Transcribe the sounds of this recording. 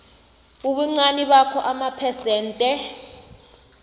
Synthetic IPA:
uɓuŋ͡ǀaniɓakʰɔʔamapʰɛsɛːntʼɛ

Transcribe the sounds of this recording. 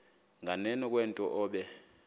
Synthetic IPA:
ŋanɛnɔk̬ʼwɛntʼɔʔɔːɓɛ

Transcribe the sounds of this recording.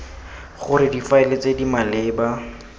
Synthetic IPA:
χʊɾɪdifaɪlet͡sedimalɪːba

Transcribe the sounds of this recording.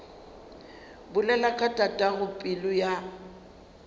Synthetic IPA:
bʊlɛlakʼatʼatʼaɣʊpʼɪlʊja

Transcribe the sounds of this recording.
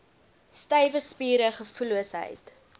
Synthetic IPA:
stɐjvəspiːɾəχəfuluəsɦə̰jt

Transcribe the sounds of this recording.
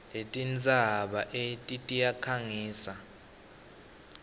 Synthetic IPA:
letʼind͡zʱaɓaʔetʼitʼijakʰaŋiːsa

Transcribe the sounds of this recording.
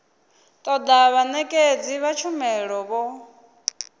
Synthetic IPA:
t̪ʼɔd̪aβanɛkʼed͡ziβat͡ʃʰumɛɺɔβɔ

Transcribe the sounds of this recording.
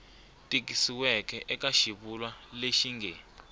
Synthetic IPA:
tʼik̬isiwɛkʰɛʔɛk̬ʼaʃiɓulwaleʃiŋɡʱɛ

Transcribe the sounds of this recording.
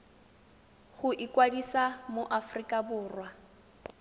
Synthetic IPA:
χʊʔɪkʼwadisamoʔafrikʼabʊːrwa

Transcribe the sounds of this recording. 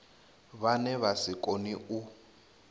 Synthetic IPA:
βanɛβasikʼoniu

